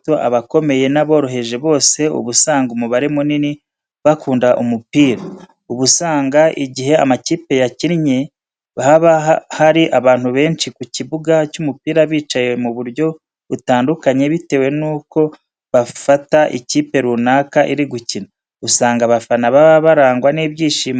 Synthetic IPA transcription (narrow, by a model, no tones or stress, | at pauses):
toʔa̰βako̞me̞je̞naβo̞ːɾo̞ɦe̞ʒe̞βo̞ːse̞ṵβusaːŋɡumuβaɾemunini | βakuːndaʔumupiːɾa | uβusaːŋɡaʔiɟiɦe̞a̰maciːpe̞jaciɾɲe̞ | βahaβahaɾiʔaβaːn̥huβe̞ːnt͡ʃikuciβuɡacumupiːɾaβiːt͡ʃajemuβuɾɟo̞ | βutaːndukaɲe̞βite̞we̞nuːko̞ | βafataʔḭciːpe̞ɾunaːkaʔiɾiɡucina | usaːŋɡaβafanaβaβaɾaːŋɡwaniβjiːʃiːma